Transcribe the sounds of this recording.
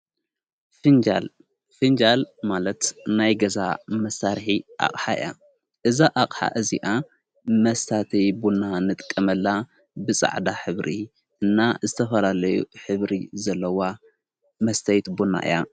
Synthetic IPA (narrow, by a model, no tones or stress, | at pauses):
fɨnd͡ʒal | fɨnd͡ʒalmalɐt̪najɡɐza̰mɐsaɾħiʔa̰χʼħaɨ̰ja̰ | ʔɨzaʔaχʼħa̰ʔɨziʔa | mɐst̪ʰat̪ʰɐjbunːanɨt̪ʼkʼːɐmɐlːa | bɨsʼa̰ʕd̪aħɨβɾi | ʔɨnːazɨt̪ʰɐfɐlalɐjṵħɨβɾizɐlːɐwa | mɐst̪ʰɐjt̪bunːa̰ʔɨ̰ja